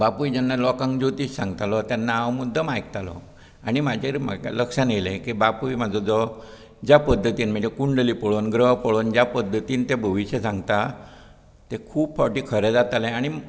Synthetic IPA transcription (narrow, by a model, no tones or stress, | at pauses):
bapujd͡ʑanːalɔkãŋɡd͡ʑot̪iːssãŋɡt̪alɔt̪janːaaʋmud̪ʱəmajk̚t̪alɔ̰ | aɽ̃imad͡ʑʱeɾma̰ləkʂanelẽkibapuimad͡zɔd͡zɔ | d͡ʑjapəd̪ʱːət̪iːnm̤əd͡ʑakuɳɖəliːpəɭonɡɾəɦpəɭond͡ʑjapəd̪ʱːət̪iːnt̪ebʱəʋiɕjəsãŋɡt̪a | t̪ekʰuːbfɔʈiːkʰəɾed͡zat̪alẽaɽ̃i